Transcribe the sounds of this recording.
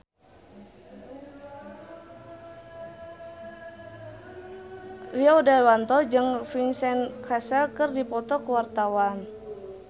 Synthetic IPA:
riɔdawant̪ɔd͡ʒɨŋfinsɛnkʰasɛlkɨrdipɔt̪ɔkuwart̪awan

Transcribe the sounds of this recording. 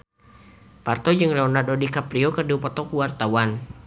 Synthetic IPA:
part̪ɔd͡ʒɨŋlɛɔnardɔdikapɾiɔkərduupɔt̪ɔkuwart̪awan

